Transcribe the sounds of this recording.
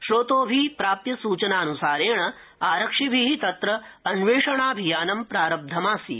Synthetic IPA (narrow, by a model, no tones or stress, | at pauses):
ʃɾoːt̪oːbʱipɾaːpjɐsuːt͡ʃɐnaːɐnusaːɾeːɳɐ | aːɾɐkʂibʱiɦit̪ɐt̪ɾɐːnʋeːʂɐɳaːbʱijaːnɐmpɾaːɾɐb̚d̪ʱɐmaːsḭ